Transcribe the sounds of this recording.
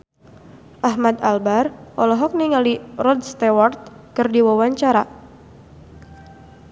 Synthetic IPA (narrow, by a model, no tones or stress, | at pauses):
ʔaɦmad̪albarʔɔlɔɦɔk̚niŋalirɔd̪̚st̪ewɔrt̪̚kɨrdiwawaɲt͡ʃaɾa